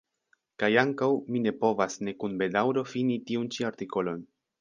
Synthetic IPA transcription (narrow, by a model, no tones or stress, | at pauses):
kajaŋkawmine̞po̞vasne̞kunbe̞dawɾo̞finitiunt͡ʃiaɾtiko̞lo̞n